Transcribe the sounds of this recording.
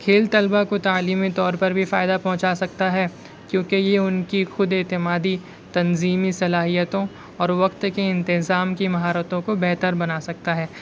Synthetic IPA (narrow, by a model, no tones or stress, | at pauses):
kʰeːlt̪ɐlbakot̪aːliːmit̪ɔːɾpɐɾbʱifaːɪd̪apɐɦʊ̃t͡ʃasɐk̚t̪aɦɛː | kjõːkejeʊnkixʊd̪ɪːt̪ɪmaːd̪i | t̪ɐnziːmisɐlaːɦijət̪õ | ɔːɾʋɐqt̪keɪ̃nt̪ɪzaːmkimɐɦaːɾət̪õkobɛɦt̪əɾbɐnaːsɐk̚t̪aɦɛː